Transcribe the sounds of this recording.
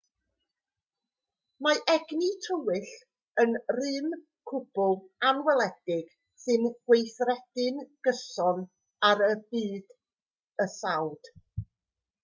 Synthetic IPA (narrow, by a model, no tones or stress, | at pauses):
maʔɛɡnitʰəwɪɬ | ənrɨn | kʰʊb̥ʊlˠanwɛlˠɛd̥ɪɡ̥ | sɨnɡwejθrɛd̥ɨnɡ̥əsɔn | aɾəbiːd̥ | əsawd̥